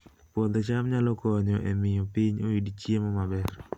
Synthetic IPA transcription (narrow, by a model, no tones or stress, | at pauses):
pod̪ɔt͡ʃamɲalɔkɔɲɔʔemɪjɔpiɲoidit͡ʃjemɔmabɛr